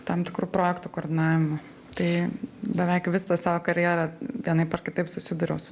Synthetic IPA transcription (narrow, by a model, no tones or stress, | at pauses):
t̪ɐmt̪ʲɪkɾuːpɾoːjɛkt̪ukoːrʲd̪ʲɪnɑːʋʲɪmʊ | t̪ɐɪbʲɛʋʲɛɪkʋʲɪsɐsɑːʋoːkɐɾʲjɛːɾɐt̪ʲinɐɪpɐrkʲɪt̪ɐɪpsʊsʲɪd̪ʊɾʲɛʊs